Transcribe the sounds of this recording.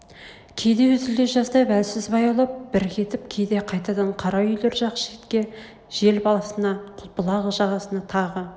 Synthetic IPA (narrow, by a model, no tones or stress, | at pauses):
kʲʰe̞jd̪e̞wɵzɪld̪eʒɑst̪ɑbælsɪzbɑjɑwlˠɑp̚b̥ɪɾkʲʰe̞t̪ɪp̚kʲʰe̞jd̪e̞qʰɑjt̪ɑd̪ɑɴqʰɑɾɑʏjle̞ɾʒɑqə̥ʃe̞t̪kʲe̞ | ʒ̥e̞lbɑlˠɑsənɑqʰʊpəlˠɑʁəʒɑʁɑsənɑt̪ʰɑʁə